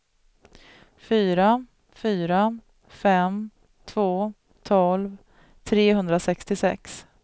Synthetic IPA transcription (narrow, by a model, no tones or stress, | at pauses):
fyːɾa | fyːɾa | fɛm | t̪ʰvoː | t̪ʰɔlv | t̪ʰɾeːhɵnd̪ɾasɛkst̪ɪsɛ̰ks